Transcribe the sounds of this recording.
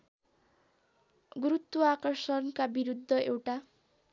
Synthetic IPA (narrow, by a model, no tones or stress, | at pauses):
ɡɾut̪wuakʌrsʌnkabiɾud̪ʱːʌewʈa